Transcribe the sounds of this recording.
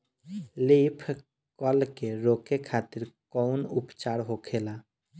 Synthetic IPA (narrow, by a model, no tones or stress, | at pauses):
lipʰ | kɔlkeɾoːkekʰaːt̪ɪɾkɔʊnʊpt͡ʃaːɾɦoːkʰelaː